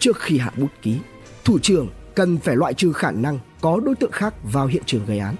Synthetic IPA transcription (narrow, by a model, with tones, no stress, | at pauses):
t͡ɕɨ˦˥ək̚xi˧ɦa̰ː˧˨ɓu˦˥ət̚ki˨˦ | t̪ʰu˧˩t͡ɕɨ˧˩əŋkə˨˩nfaː˧˩jlwa̰ː˧˨jt͡ɕɨ˧xaː˧˩na˧ŋkɔ˨˦ɗo˨˦jt̪ɨ̰˧˨ə˨ŋxaː˦˥k̚vaː˨˩wɦḭ˧˨ənt͡ɕɨ˨˩əŋɣə˨˦jʔaː˨˦n